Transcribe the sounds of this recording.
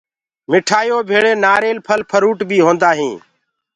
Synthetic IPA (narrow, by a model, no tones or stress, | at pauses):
mɪʈʰaːjoːbʱeːɭeːnaːɾeːlpʰəlpʰəɾuːʈbʱiːɦõːnd̪aːɦĩː